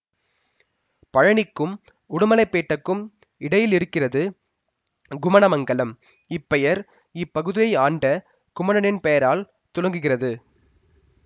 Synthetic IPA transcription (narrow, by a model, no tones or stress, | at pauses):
pɐɻɐɳɪkːɯm | ʊɽʊmɐlɐɪpːeːʈːɐkːɯm | ɪɽɐjɪlɪɾɯkːɪrɐðɯ | ɡʊmɐɳɐmɐŋɡɐlɐm | ɪpːɛjɐɾ | ɪpːɐɣɯðɪjɐɪaːɳɖɐ | ɡ̥ʊmɐɳɐnɪnpɛjɐɾaːl | t̪ʊɻɐŋɡɯɣɪrɐðɯ